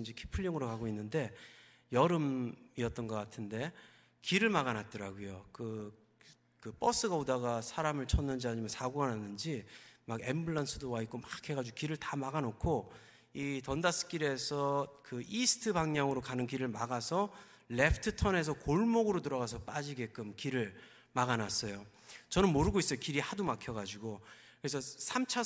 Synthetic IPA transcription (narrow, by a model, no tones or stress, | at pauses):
nd͡ʑikʰi̥pʰɯɭːiŋɯɾokaɡoinːɯnde̞ | jʌɾɯmiʌt͈̚ʌnɡʌk͈atʰɯnde̞ | kiɾɯɭmaɡanat̚t͈ʌɾaɡojokɯ | kɯp͈ʌs͈ɯɡaodaɣasʰaɾamɯɭt͡ɕʰʌnːɯnd͡ʑiaɲimjansʰaɡuananːɯnd͡ʑimaɡe̞mbɯɭːansʰɯdowaik͈omakʰe̞ɡad͡ʑuɡokiɾɯɭtamaɡanokʰo | itʌndas͈ʰɯ̥k͈iɾe̞sʰʌkɯisʰɯ̥tʰɯbaŋɲaŋɯɾokanɯnkiɾɯɭmaɡasʰʌ | le̞pʰɯ̥tʰɯtʰʌne̞s̬ʰʌkoɭmoɡɯɾot̬ɯɾʌɣasʰʌp͈ad͡ʑiɡe̞k͈ɯmkiɾɯɭ | maɣanas͈ʌjo | t͡ɕʌnɯnmoɾɯɡois͈ʌjokiɾihadumakʰjʌɡad͡ʑiɡo | kɯɾes̬ʰʌsʰamt͡ɕʰa